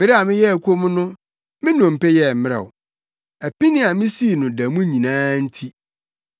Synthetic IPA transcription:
b̥ɪ˨ɾɪ˦a˨mɪ̃˦jɛ˦˨kʷʰo˦mʊ̃˦nʊ̃˦ | mɪ̃˦nɔ̃˨m̩˨pɛ˦jɛ˦˨m˨mɪ̃˦ɾɛ̰˨ʊ˨ | æ˨pi˦nɪ̃˦a˨mɪ̃˦si˦˨nʊ̃˨da˨mũ˦ɲĩ˨nãː˦n̩˦tʰi˦

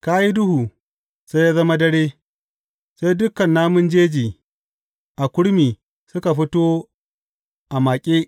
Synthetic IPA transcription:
ka˦ji˦dʊ˦huː˨ | se˦jaː˦zɐ˦ma˦dɐ˦ɽeː˦ | se˦jdʊ˦kɐ˨nːaː˦mʊ˦nd͡ʒeː˦d͡ʒiː˨ | ʔa˨kʷʊ˦ɽmiː˨ | sʊ˦ka˨ɸɪ˦toː˦ | ʔa˨ma˨kʲʼeː˦

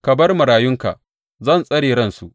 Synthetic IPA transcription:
kɐ˨bɐ˦rmɐ˨ɾaː˨jʊ˦ŋka̰˨ʔ | zɐ˦˨nsʼɐ˦ɽeː˨ɾɐ˦nsu˨ʔ

